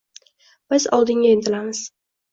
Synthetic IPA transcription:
b̥ɪzɒ̰lˠd̪ɪŋɡʲaɪnt̪ʰɪlamɪz̥

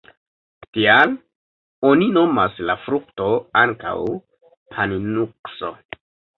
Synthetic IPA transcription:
tial | o̞nino̞maslafɾuk̚to̞aŋka̰w | pʰaninukso̞̰

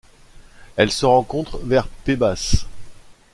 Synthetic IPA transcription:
ɛlsəʁɑ̃kɔ̃t̪χvɛʁpebas

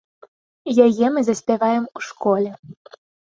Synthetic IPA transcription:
jajɛmɨzɐsʲpʲavajɛmuʂkɔlʲɛ

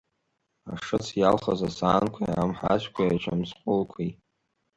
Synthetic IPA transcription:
aʂɨt͡sʰjalχazasaːnkʷʰa̰amħa̰ʒʷkʷʰaat͡ʃʷʰamsqʷʼʊlkʷʰej

